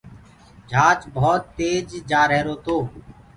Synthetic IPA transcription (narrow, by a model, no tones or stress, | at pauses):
d͡ʒʱaːt͡ʃbʱɔːt̪ːeːd͡ʒd͡ʒaːɾeːɾoːt̪oː